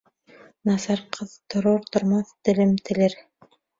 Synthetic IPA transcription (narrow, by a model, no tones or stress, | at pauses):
nɑsɑɾqʰɤðt̪ŏɾoɾt̪ŏɾmɑθt̪ɘ̆lɘmt̪ʰɘ̆lɘɾ